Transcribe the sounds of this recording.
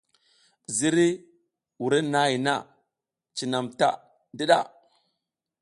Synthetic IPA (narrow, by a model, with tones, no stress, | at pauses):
zi˦ɾi˦ | wu˨ɾe˦na˦i˨na̰˦˨ | t͡ʃi˨na˨mta̰˦ | di˦ɗa̰˦